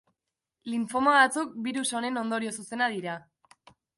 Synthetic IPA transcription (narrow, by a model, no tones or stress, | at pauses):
liɱfomaβat͡suk̚biɾuso̞ne̞no̞nd̪o̞ɾio̞suse̞nað̞iɾa